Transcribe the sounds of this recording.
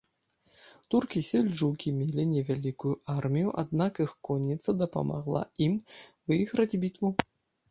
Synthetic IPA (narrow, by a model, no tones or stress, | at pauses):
t̪urkʲisʲɛlʲʐukʲimʲelʲinʲɛvʲalʲikujuʔarmʲijuʔad̪nakixkɔnʲːit̪sːɐd̪ɐpa̰ma̰ɣlˠa̰imvɨɣɾɐd͡zʲbʲit̪vu